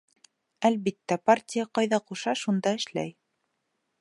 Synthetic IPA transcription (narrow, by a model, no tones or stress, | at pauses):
ælβit̪ːæpartʲɪjɑqɑjðɑquʃɑʃund̪ɑɘ̆ʃlæ̰j